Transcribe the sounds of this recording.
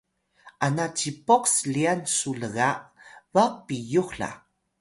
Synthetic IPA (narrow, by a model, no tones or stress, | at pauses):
ʔanat͡ɕipoksliansuləɣaʔvapijuxɬa̰